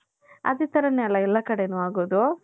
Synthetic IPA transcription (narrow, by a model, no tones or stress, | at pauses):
ɐ̰d̪it̪ʰɐɾɐnːɛlːɐɛlːɐkɐɽeːnuaːɡoːd̪u